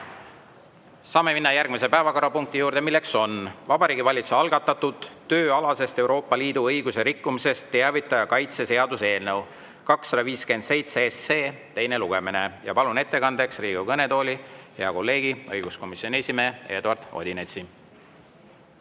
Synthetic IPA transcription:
sɑːme̞minːɑjærɡ̥mise̞pæevɑko̞ɾɑpuŋk̚t̪ijuːɾd̪e̞milːe̞kso̞nvɑbɑɾiːɡivɑlʲit̪suɑlɡɑt̪ːˑɑt̪ːud̪̥t̪ːø̞ːɑlɑse̞st̪e̞wɾo̞ːpˑːɑliːd̪̥uɤjɡ̥use̞ɾikːumise̞st̪ːe̞ɑvit̪ːˑɑjɑkɑjt̪se̞se̞ɑd̪̥use̞ːlnew | kɑksːɑd̪ɑviːske̞nd̪̥se̞jt̪seesːeːt̪e̞jne̞luɡ̥e̞mine̞jɑ̰pɑlune̞t̪ːe̞kɑnd̪̥e̞ksriːɡukɤne̞t̪o̞ːlʲiheɑko̞lːe̞ːɡiɤjɡ̥usko̞misjonʲesimeːe̞ːd̪uɑrd̪̥o̞̰d̪inet̪si

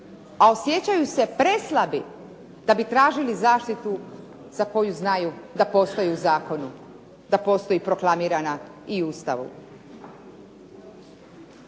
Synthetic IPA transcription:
ao̞sje̞t͡ɕajuse̞pɾeslˠabi | d̪̥abit̪ɾaːʒilizaːʃt̪it̪u | z̥ako̞juznajud̪apo̞st̪o̞jiuzaːko̞nu | d̪apo̞st̪o̞ipɾo̞klˠamiːɾanaiuːst̪aʋṵ

